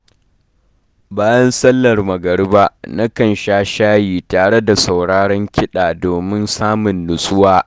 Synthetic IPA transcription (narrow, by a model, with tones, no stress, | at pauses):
baː˦jɐ˦nsɐ˦lːɐ˨rmɐ˨ɡɐ˨ɽba˦na˦kɐ˨nʃaː˦ʃaː˦jiː˨taː˨ɽe˦da˨sa˨wɽaː˦ɽɔ˦ŋkʲʰɪ˦ɗaː˨doː˨mɪ˦nsaː˦mʊ˨nːʊ˨sʼʊ˦waː˦